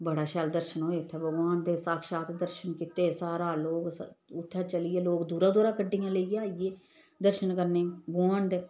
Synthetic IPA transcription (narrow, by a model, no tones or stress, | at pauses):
bəɽaːʃɛːld̪əɾʃənɦoːeːt̪ʰːeːbəɡʋaːnd̪eːsaːkʃaːt̪d̪əɾʃənkɪt̪eːsaːɾaːloːksʊt̪ʰːɛːt͡ʃəlɪeːloːkd̪uːɾãːd̪oːɾaːkəɖːijãːləiaːijeː | d̪əɾʃənkəɾneːɡaːnd̪eː